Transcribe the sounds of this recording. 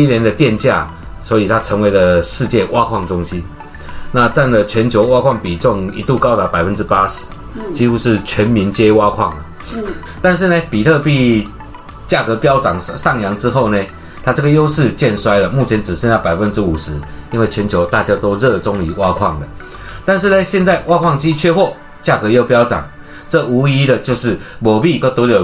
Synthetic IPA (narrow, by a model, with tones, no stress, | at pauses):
i˥njɛ˧˥nd̪ə˨t̪jɛ˥˧nt͡ɕja̰˥˨˩ | swɔ˧˥i˨˩t̪ʰa˥ʈ͡ʂʰə˧˥ŋwe˧˥ɪlə˨ʂɻ̩˥˧t͡ɕjɛ˥˧wa˥kʰwɑ˥˩ŋʈ͡ʂʊ˥ŋɕi˦˥n | na˥˧ʈ͡ʂa˥˩nlə˨˩t͡ɕʰɥɛ˧˦nt͡ɕʰjo˧ʊwa˥kʰwɑ˥˩ŋpi˨˩ʈ͡ʂʊ˥˩ŋi˧˥t̪u˥˨˩kɑ˥ʊt̪a˧˥pa˨˩ɪfə˦nʈ͡ʂɻ̩˥pa˥ʂɻ̩˧˦ | t͡ɕi˥xu˥ʂɻ̩˥˩t͡ɕʰɥɛ˧˦˥nmi˨˦nt͡ɕjɛ˥wa˥kʰwɑ˥˩ŋə˩ | t̪a˥˧nʂ̬ɻ̩˥˩ne˨pi˨˩t̪ʰɤ˥˧pi˥˩ | t͡ɕja˥˩kɤ˧˦pjɑ˥ʊʈ͡ʂɑ˨˩ŋsɑ˥˩ŋjɑ˧˥˦ŋʈ͡ʂɻ̩˥xo˥˩ʊne˨ | t̪ʰa˥ʈ͡ʂɤ˥˩ɡə˩jo˥ʊʂɻ̩˥˧t͡ɕjɛ˥˨nswa˥ɪlə˨mu˥˨˩t͡ɕʰjɛ˨˧˦nʈ͡ʂɻ̩˨˩sɛ˥˧na˥˩pa˨˩ɪfə˦nʈ͡ʂɻ̩˥u˨˩ʂɻ̩˧˦i˥nwe˥˩ɪt͡ɕʰɥɛ˧˥nt͡ɕʰjo˧˥ʊt̪a˥˩t͡ɕja˥t̪o˥ʊɻɤ˥˧ʈ͡ʂʊ˦ŋi˨˩˦wa˦˥kʰwɑ˥˨˩ŋd̪ə˩ | t̪a˥˧nʂ̬̩˥˨ne˨˧ɕjɛ˥˧nt͡sa˥˧ɪwa˥kʰwɑ˥˨ŋt͡ɕi˦t͡ɕʰɥɛ˥˧xwɔ˥˩ | t͡ɕja˥˩kɤ˧˦jo˥ʊpjɑ˥ʊt͡sɑ̰˨˩ŋ | ʈ͡ʂɤ˥˩u˧˥i˥d̪ə˨t͡ɕjo˥˧ʊʂɻ̩˥˩mɔ˨˩bi˥˨ko˥˩t̪ə˧˥ljo˨˩